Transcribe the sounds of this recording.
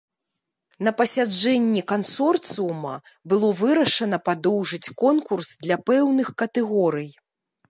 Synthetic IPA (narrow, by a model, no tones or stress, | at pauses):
nɐpɐsʲad͡ʐɛnʲːikansɔrt̪sɨumɐ̰ | bɨlˠɔvɨɾɐʂɐnɐpad̪ɔwʐɨt͡sʲkɔnkursd̪lʲɐpɛwnɨxkɐt̪ɛɣɔɾɨj